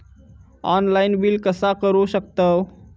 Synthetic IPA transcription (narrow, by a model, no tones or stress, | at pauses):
aːnlaɪnbilkəsakəɾosək̚t̪əw